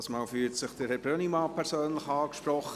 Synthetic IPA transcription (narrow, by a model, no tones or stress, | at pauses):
smɑːlfyːtsɪχd̥əɾhɛbɾønimɑːpʰɛɾsøːnlɪχɑːkʃprɔχə